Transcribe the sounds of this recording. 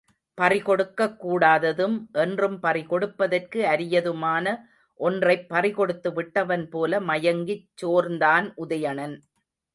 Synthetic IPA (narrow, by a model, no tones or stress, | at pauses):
pɐrɪkɔɽɯkːɐkːuːɽaːðɐðɯmʔɛndrɯmpɐrɪkɔɽɯpːɐðɐrkɯɐɾɪjɐðɯmaːnɐ | ʔɔndrɐɪpːɐrɪkɔɽɯt̪ːɯʋɪʈːɐʋɐnpoːlɐmɐjɐŋɡɪt͡ʃːoːɾnd̪aːnʔʊðɐjɐnɐn